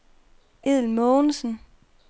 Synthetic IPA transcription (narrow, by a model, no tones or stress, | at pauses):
eð̰ˠlmɔnsən̩